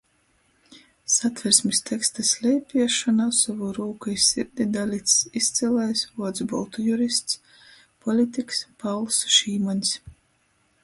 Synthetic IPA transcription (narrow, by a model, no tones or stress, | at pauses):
sat̪vʲɛɾsmʲist̪ʲʰɛkst̪asʲlʲɛjpʲiɛʃɔnasavuɾuːkuisʲiɾd̪ʲid̪alʲit̪sist̪sɛlɛjsvuɔd̪zbɔ̰lˠt̪ujuɾist̪s | pʰɔlʲit̪ʲikspawlˠsʃiːmanʲs